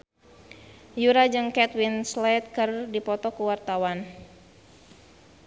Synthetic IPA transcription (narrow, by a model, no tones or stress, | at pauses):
juɾad͡ʒɨŋkɛt̪winslat̪̚kɨrdipɔt̪ɔkuwart̪awan